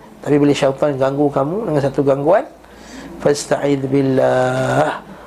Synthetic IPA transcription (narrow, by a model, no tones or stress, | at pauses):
t̪apibolɪhʃat̪ɔnɡaŋɡukamũdəŋansat̪uɡaŋɡuan | fast̪aʕid̪bɪlːah